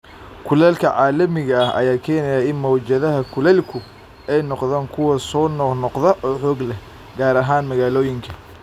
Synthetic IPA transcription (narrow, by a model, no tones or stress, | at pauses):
kʰʊlɛlkʰɐʕɑːlɐmɪɣɐɐhʔɐ̰jaːkʰɛːnɛjaɪnmɔwt͡ʃɐðɐɦɐkʰʊlɛlkʰʊ | ɛjnɔqðaːŋkʰʊwɐsɔːnɔnɔqðɐʔɔːħɔːɡlɛ | ɡaːɾɐɦaːnmɐɣaːlɔːjɪŋkʰɐ̥